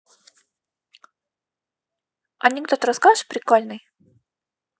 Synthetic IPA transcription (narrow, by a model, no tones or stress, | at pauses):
ɐnʲɪkd̪ot̪əɾɐskazɨpɾʲɪkolʲnɨj